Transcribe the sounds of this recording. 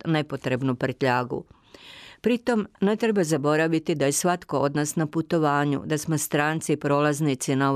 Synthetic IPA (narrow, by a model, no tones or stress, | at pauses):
ne̞po̞t̪ɾe̞bnupr̩t̪ʎaːɡṵ | pɾit̪o̞mne̞t̪ɾe̞bazabo̞ɾaʋit̪id̪aje̞sʋat̪ko̞od̪naːsnaput̪o̞ʋaːɲṵd̪asmo̞st̪ɾaːnt̪sipɾo̞ːlˠaznit̪sinao